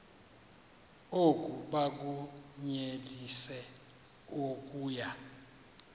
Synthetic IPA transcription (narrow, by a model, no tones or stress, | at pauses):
okʼuɓak̬uɲelisɛ | ok̬ʼuːja